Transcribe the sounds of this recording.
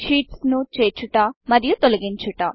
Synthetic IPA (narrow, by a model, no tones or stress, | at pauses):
ʃiːʈsnut͡ʃeːt͡ʃuʈɐːmɐɾijut̪olɐɡiɲt͡ʃuʈɐ